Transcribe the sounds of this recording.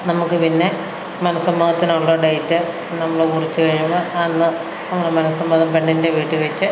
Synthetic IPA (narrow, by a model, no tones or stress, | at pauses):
nɐmukːɨpinːe̞ | mɐnɐsɐmːɐɣɐt̪ːinoɭːɐɖejitːɨ | nɐmːɐɭokurit͡ɕːɨkɐɻiumoɐnːɨ | nɐmːuɽemɐnɐsɐmbɐnðɐmpe̞ɳɖinde̞ʋiːʈːɨʋet͡ɕːɨ